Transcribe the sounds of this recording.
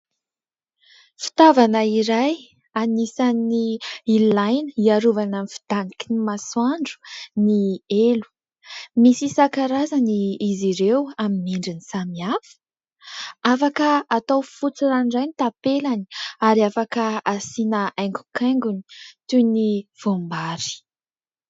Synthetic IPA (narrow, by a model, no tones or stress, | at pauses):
fi̥t̪avanəiɾaj | anisaniilajnəiaɾuvananifi̥d̪̥anikinimaswaɳɖ͡ʐu̥nielu̥ | misisakaɾazaniːziɾewaminiɳɖ͡ʐinisamiafə̥ | afakəːt̪awfut͡siɾanɖ͡ʐajnit̪apelani̥aɾiafakəasinəajŋɡu̥kʰajŋɡuni̥t̪univ̥ombaɾi̥